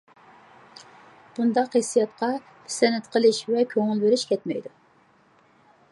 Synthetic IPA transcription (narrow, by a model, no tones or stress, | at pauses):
b̥und̪ɑqhesijɑt̪̚qʰɑ | pʰɪsɛnɛt̪qʰəlˠɪʃvɛkʲʰøŋɪlbeɾɪʃkʲʰɛt̪mɛ̰jd̪u